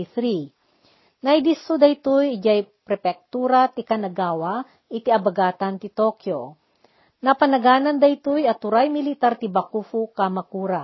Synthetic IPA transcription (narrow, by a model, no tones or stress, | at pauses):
iθɾi | nɐjd̪isod̪ɐjt̪ʊjɪd͡ʒajpɾɛpɛk̚t̪uːɾat̪ɪkanɐɡaːwa | ʔɪt̪iʔɐbɐɡaːt̪ɐnt̪ɪt̪okjo | nɐpɐnɐɡaːnɐnd̪ɐjt̪ʊjɐt̪ʊɾajmɪlɪt̪aɾt̪ɪbɐkufʊkamɐkuːɾa